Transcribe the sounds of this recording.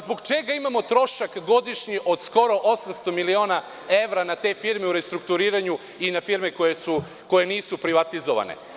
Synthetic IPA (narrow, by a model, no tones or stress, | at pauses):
zboɡt͡ʃeɡaimamo̞t̪ɾo̞ʃakɡo̞d̪iʃɲiʔo̞d̪̥sko̞ɾo̞ʔo̞samst̪o̞milio̞ːna | e̞ʋɾanat̪e̞ːfiɾmeuɾe̞st̪ɾuk̚t̪uɾiːɾaɲu | inafiɾmekojesu | ko̞je̞niːsupɾiʋat̪izoʋa̰nḛ